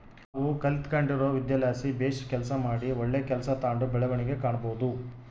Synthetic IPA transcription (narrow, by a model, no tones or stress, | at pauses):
aːʋukɐlit̪kɐɳɖiɾoːʋid̪jaːlaːsibeːʃɐ̥kɛlɐsɐmaːɽiɔɭːeːkɛlɐsɐt̪aːɳɖubɛɭɐʋɐɳiɡekaːɳɐboːud̪u